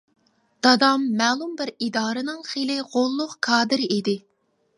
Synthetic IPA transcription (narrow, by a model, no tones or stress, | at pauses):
d̪̥ɑd̪ɑmːɛːlˠumbɪɾid̪ɑːɾɨnɨŋχelɪʁolˠːʊqkʰɑːd̪ɪɾid̪ɪ